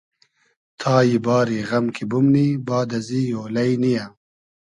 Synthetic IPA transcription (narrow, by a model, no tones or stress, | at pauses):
t̪ʰaːjibɑːɾiɣɐmkʰibumnibɑːd̪ɐzijoːlɐjnija